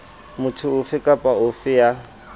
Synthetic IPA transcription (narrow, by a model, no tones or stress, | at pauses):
mʊtʰʊʊfɪkʼapʼaʊfɪja